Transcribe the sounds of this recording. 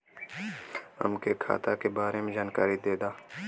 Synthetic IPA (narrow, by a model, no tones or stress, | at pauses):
ə̰mkekʰa̰ːt̪aːkebaːɾemẽd͡ʒaːnkaːɾid̪eːd̪aː